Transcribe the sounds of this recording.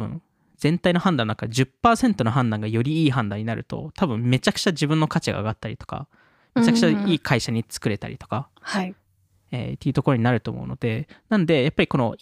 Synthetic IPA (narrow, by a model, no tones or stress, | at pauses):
ɯ̰̃n | d͡zẽ̞nt̪aino̞hãnd̪ãnakad͡ʑɨpːaːsẽ̞nt̪o̞no̞ɦãnd̪ãŋɡajo̞ɾʲiiːɦãnd̪ãiɲ̟inaɾɯ̟t̪o̞̰t̪abɯ̟̃mme̞t͡ɕakɯ̟̥t͡ɕaʑibɯ̃nːo̞kat͡ɕiɡa̰ːɡat̪ːaɾḭt̪o̞̥ka̰ | me̞t͡ɕakɯ̥t͡ɕaiːkʰaiɕaɲ̟it͡sɨ̥kɯ̟ɾe̞t̪a̰ɾʲḭt̪o̞ka | ha | ḛt̪ːejiɯ̟t̪o̞ko̞ɾoɲnaɾɯ̟t̪o̞ːmo̞̰ɯ̰no̞̰d̪e̞nãnod̪e̞japːaɾʲiko̞no̞̰